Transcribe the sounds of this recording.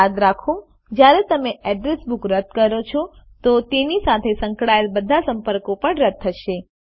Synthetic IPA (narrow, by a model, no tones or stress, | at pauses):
aɡ̪ɾakʰo | d͡ʒjaɾet̪əmeɛɖɾesbukɾəd̪̚kəɾot͡ʃʰɔ | t̪ot̪enisat̪ʰesəŋkɽaelbəd̪ʱasəmpəɾkopəɳɾəd̪̚ʰːəʃe